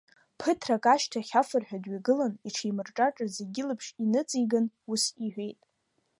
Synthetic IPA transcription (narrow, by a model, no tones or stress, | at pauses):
pʰɨtʰrakʼaʃtʰaχʲafɨrħᶣadɥaɡɨlaniʈ͡ʂʰijmɨrʈ͡ʂʼaʈ͡ʂʼazeɡʲɪlɨpʰʂinɨt͡sʼiɡanusiħʷᶣe̞jtʼ